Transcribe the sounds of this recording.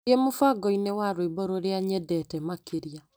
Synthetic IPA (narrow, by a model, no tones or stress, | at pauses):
emofaɡɔinewaɾoibɔɾoɾeaɲɛdɛtɛmakeɾia